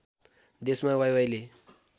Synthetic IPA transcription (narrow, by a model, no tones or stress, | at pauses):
d̪esmãwajwajle